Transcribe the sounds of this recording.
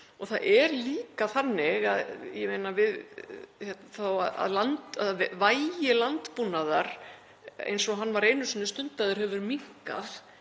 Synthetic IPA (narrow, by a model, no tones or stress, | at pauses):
ɔθaʔɛɾliːkaθanːɪɣaðjɛmejnavɪðhɛt̪naθawaða̰ðlant̪aðvaːjjɪlant̪punːaðaɾ̥ | ḛjnsɔɦanːvaɾejnʏsɛnːʏst̪ʏnt̪aðʏɾ̥ɦɛvʏɾmiŋ̥ka̰θ